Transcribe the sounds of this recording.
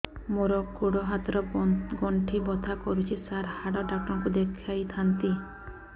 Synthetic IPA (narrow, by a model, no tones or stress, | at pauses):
moɾɔɡoɽɔɦat̪ɔɾɔɡɔɳʈʰibɔt̪ʰakɔɾut͡ʃʰisaɾhaɽɔɖak̚ʈɔŋkud̪ekʰajt̪ʰant̪i